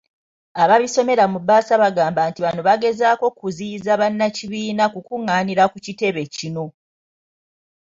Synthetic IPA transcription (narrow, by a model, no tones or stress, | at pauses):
aβaβiso̞me̞ɾamubaːsaβaɡaːmbantiβano̞βaɡe̞zaːko̞kuzizaβanːaciβiːnakukuŋːaːniɾakucite̞βe̞cino̞